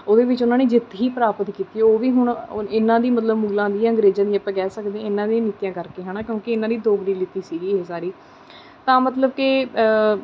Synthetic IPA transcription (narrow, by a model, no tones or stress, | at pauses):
oːd̪eːʋɪt͡ʃʊnãːneːd͡ʒɪt̪ʰːɦiːpəɾaːpət̪kiːt̪iːoːʋiːɦʊɳɪnãːd̪iːmət̪̬ləbmuːɡlãːd̪iːãːə̃ŋɡɾeːd͡ʒãːd̪ĩːəpɛ̃ːɡɛːsəkd̪ẽɪnːãːd̪ĩjãːnit̪ijãːkəɾkeːɦɛːnaːkjõːkɪɪnãːd̪iːd̪oːbɽiːlɪt̪ːiːsiːɡiːeːsaːɾiː | t̪ãːmət̪ləb̚kɪ